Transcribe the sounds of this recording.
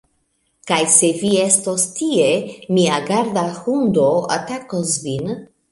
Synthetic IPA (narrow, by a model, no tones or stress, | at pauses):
kajse̞viestostiemiaɡaɾd̪axund̪oa̰takosvin